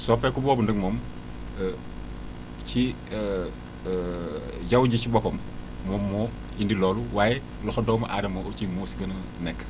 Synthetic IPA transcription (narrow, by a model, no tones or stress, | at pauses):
sɔfɛkubɔːbundəŋmɔm | ci | ɟɐwɟicibɔpɐmː | ɔmːɔ | indilɔːluwaːjɛ | lɔxɐdɔwmɐʔaːɾɐmɔcimoːsɡɐnɐ | nɛkː